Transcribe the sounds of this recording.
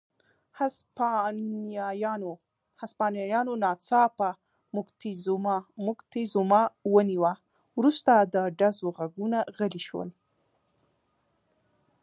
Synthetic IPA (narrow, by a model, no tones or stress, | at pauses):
ha | jo | haspɑnjɑjɑnonɑt͡sɑpa | mʊkt̪izummʊkt̪izumɑwəniwa | wɾust̪ad̪əɖazoɣaɡunaɣəliʃwə̰l